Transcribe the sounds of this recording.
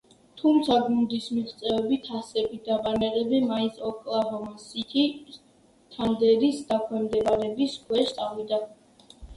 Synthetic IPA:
t̪ʰumt̪sʰaɡund̪ismiʁt̪sʼɛɛbit̪ʰasɛbid̪abanɛʁɛbimainsʰɔkʼlˠavɔmasit̪ʰi | t̪ʰand̪ɛɾisd̪akʰwɛmd̪ɛbaɾɛbiskʰwɛʃt̪sʼavid̪a

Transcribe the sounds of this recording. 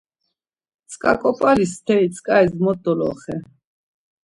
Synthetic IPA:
t̪t͡sʼkʼa̰kʼɔpʼalist̪ʰɛit̪t͡sʰʼkʼaɛzmɔt̪ːɔlɔ̰χɛ

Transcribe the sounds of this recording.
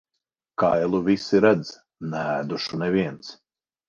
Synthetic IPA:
kajlˠuvʲisiɾæd̪z | næd̪uʃunɛvʲiɛnt̪s

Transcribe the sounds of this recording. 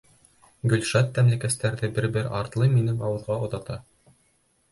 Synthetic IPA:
ɡɵ̆lʃɑt̪ːæmlækæst̪æɾðɘbɘɾbɘɾʔɑɾt̪lˠɤjminɘŋɑwɤ̆ðʁɑŏðɑt̪ɑ

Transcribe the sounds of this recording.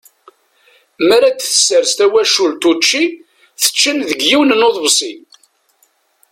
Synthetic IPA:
mæɾæd̪θə̥sːəɾst̪æwæʃult̪ut͡ʃːi | θə̥t͡ʃːənðəɡjiwnnoðˤvsˤin

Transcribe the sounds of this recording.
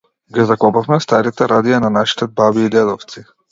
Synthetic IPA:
ɡɛzakɔpafmɛst̪aɾit̪ɛɾad̪ijananaʃi̥t̪ɛbabiːd̪ɛd̪ɔft̪si

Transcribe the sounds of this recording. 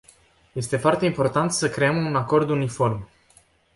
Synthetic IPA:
je̞st̪e̞foart̪e̞impo̞rt̪ant̪səkɾe̞əmunako̞rd̪unifo̞rm

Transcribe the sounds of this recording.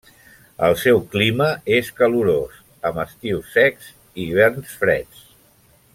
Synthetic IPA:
ə̰lˠsɛwkliməeskəluɾos | əməst̪iwsːɛkz | iβ̞ɛɾnsfɾɛ̰t͡s

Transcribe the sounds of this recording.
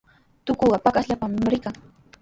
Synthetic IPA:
t̪ʊkoɢɑpakasʎapamɾɪkaŋ

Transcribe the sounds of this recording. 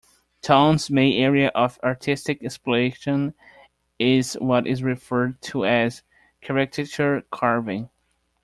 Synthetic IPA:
tʰãnzmẽɪɛɹiɨʔʌvɑɹtʰɪstɨkɛsploeʃə̃n | ɪzwʌɾɪzɹɨfɜ˞d̚tʰəɨz̥ | kʰɛɹɛkʰɨt͡ʃəɹkʰɑɹvɪ̃ŋ

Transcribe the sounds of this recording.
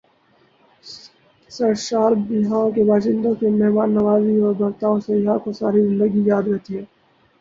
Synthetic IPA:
sɐɾʃaːɾbɪɦaːõkebaːʃɪ̃nd̪õkemɛɦmaːnːɐʋaːziɔːɾbɐɾt̪aːõsejɦãkosaːɾizɪ̃nd̪əɡijaːd̪ɾɛɦt̪iɦɛː

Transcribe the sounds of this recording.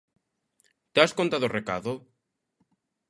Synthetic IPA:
t̪askont̪aðoreka̰ðo

